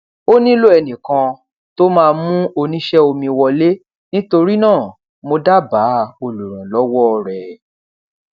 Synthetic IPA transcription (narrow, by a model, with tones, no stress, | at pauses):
o˦nĩ˦lo˦ɛ˧nĩ˨kã˧ | to˦mãː˦˧mũ˦o˧nĩ˦ʃɛ˦o˧mĩ˧wɔ˧le˦ | nĩ˦to˧ɾi˦nãː˦˨ | mo˧da˦ba˨˦o˧lu˨ɾ̃ã˨lɔ˨˦wɔ˦˧ɾɛ˨